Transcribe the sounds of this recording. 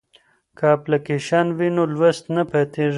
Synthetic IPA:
kaplɐkeʃaːnwinolwɐst̪napat̪eʐi

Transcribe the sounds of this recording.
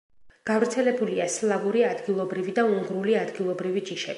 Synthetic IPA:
ɡ̥avɾt̪sʰɛlɛbuliaslˠaɡuɾiad̪ɡilˠɔbɾivid̪auŋɡɾuliad̪ɡilˠɔbɾivid͡ʒiʃɛ

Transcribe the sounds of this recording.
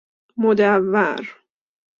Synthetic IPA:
mod̪ævːæ̰ɾ

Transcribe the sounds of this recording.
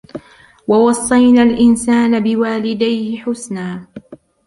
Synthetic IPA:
wɑwɑsˤːɑjnalʔɪnsaːnabɪwaːlɪd̪ajhɪħʊsnaː

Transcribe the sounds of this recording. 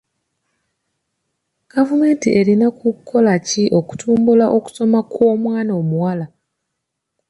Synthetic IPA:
ɡ̥avume̞ːntiʔe̞ɾinakukʰːo̞laciʔo̞ku̥tʰuːmbulaʔo̞ku̥so̞mako̞ːmwaːnoːmuwala

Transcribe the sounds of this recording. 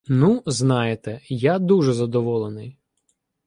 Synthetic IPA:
nuznɑjet̪ɛjad̪uʒɛzɐd̪ɔʋɔlˠenɪj

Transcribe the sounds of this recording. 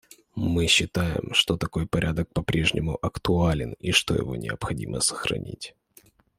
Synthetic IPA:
mɨɕːɪt̪ajɪ̰mʂt̪ot̪ɐko̞jpɐɾʲʔad̪ək̚pɐpɾʲe̞ʐnʲɪmʊʔɐkt̪ʊalʲɪniʂt̪o̞jɪ̰vo̞nʲɪəpxɐdʲimʔəsə̥xɾɐ̰nʲḭtʲ

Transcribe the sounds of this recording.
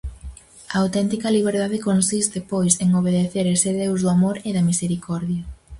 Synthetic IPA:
ɐawt̪ɛnt̪ikɐliβ̞eɾðaðekonsist̪epojseŋoβ̞eðeθeɾeseðewzðʊamoɾeðɐmiseɾikɔɾðjɐ

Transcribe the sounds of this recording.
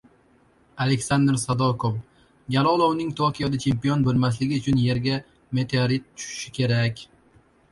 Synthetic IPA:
ale̞kʲsand̪ɾsad̪okʰov | ɡʲalˠɒlˠownɪŋt̪ʰokʲijɒd̪at͡ʃʰe̞mpijonbɵlmaslɪɡʲɪʊt͡ʃʰʊnje̞ɾɡʲa | me̞t̪ʰeaɾit̪̚tʰʊ̥ʃɪ̥ʃɪkʲʰe̞ɾakʲ

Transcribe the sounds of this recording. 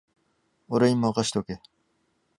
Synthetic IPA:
oɾeimːaakaɕi̥t̪eoke

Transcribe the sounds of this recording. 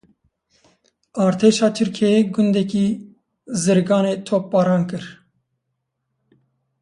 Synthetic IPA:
ɑːɾt̪ʰeːʃɑːt̪ʰɨɾkʰɛjeːɡʊnd̪ɛkiː | zɨɾɡɑːneːt̪ʰoːp̚ːɑːɾɑːnkɨɾ

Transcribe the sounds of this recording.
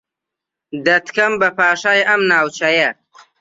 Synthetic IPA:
d̪ɐt̪kʰɐmbɐpʰaːʃaːjʔɐmnaːwt͡ʃɐjɐ

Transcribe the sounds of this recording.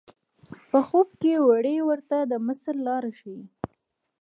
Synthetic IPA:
pəxob̚kewaɽewəɾt̪ad̪əməslːɑɾaʃwi

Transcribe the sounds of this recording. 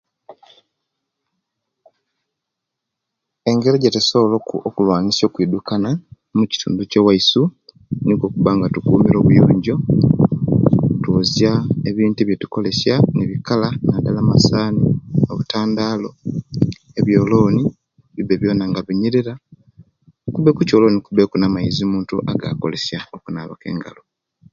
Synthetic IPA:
e̞ŋɡe̞ɾeɟetesoβolokokulwaːnisjo̞ːkwiːdukana | muci̥tʰṵːnduce̞waisu | niko̞ːkuβaŋɡatukuːmiɾo̞ːβujoːɲɟo̞ | twozjaeβiːntuβje̞tu̥ko̞le̞sjaneβikalanadalamasaːnio̞̰βutaːndalo̞ | eβjo̞ːlo̞ːni | βibeβjo̞ːnaŋɡaβiɲiɾiɾa | kuβe̞kuco̞lo̞ːnikuβe̞kunamaizimuːntuʔaɡa̰ːko̞̰le̞sjaokunaːβoke̞̰ːŋɡa̰lo

